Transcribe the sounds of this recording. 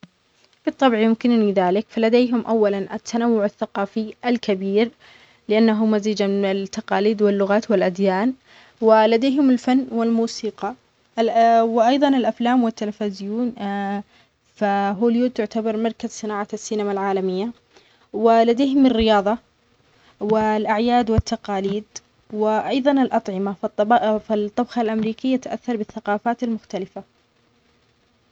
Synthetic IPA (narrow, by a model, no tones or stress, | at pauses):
bɨt̪ˤːɑbʕjʊmkɪnniðaːlɪkfalad̪eːɦʊmʔawːalanʔat̪ːanawːʊʕaθːaqɑːfiʔalkabiːɾ | lɪʔanːaɦʊmaziːd͡ʒamɪɪnɪlt̪ːɑqɑːliːd̪wɪlːʊɣaːt̪wɪlʔad̪jaːn | wɪlad̪eːɦʊmɪlfanːwɪlmuːsiːqɑ | wɪʔɑjðˤɑnɪlʔaflaːmwɪt̪ːalafazɪjuːn | faɦoːljuːt̪ʊʕt̪abɑɾˤmɑɾˤkazsɨnaːʕaasːiːnamalʕaːlamɪjːa | wɪlad̪eːɦʊmɪrːɪjɑːðˤɑ | wɪlʔaʕjaːd̪wɪt̪ːaqɑːliːd̪ | wɪʔɑjðˤɑnɪlʔɑt̪ˤʕɪmafɪt̪ˤːɑbxɑlʔamɾiːkɪjːat̪aʔa̰θːɑɾˤbɪθːaqɑːfaːt̪almʊxt̪alɪfa